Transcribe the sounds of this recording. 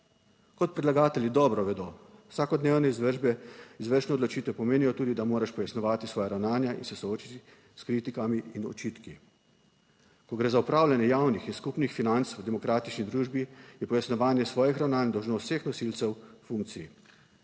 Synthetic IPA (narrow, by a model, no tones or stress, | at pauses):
kɔt̪̚pɾɛd̪laɡaːt̪ɛlʲid̪ɔːbɾɔʋɛd̪oːwsaːkɔd̪neːwnɛizʋəʒbɛizʋəɾʃnɛɔd̪lɔt͡ʃiːt̪ʋɛpɔmeːnijɔt̪uːd̪id̪amoːɾaʃpɔjasnɔʋaːt̪isʋɔːjaɾawnaːnjaʔḭnsɛsɔoːt͡ʃit̪i | skɾiːt̪ikamiinɔ̰t͡ʃit̪ki | kɔɡɾeːzaupɾaːwlanjɛjaːwnixinskupnixfinant̪swd̪ɛmɔkɾaːt̪it͡ʃnid̪ɾuːʒbijɛpɔjasnɔʋaːnjɛsʋɔːjixɾawnaːnd̪ɔwʒnoːst̪ːsexnɔsilt̪sɛwfuŋk̚t̪sijḭ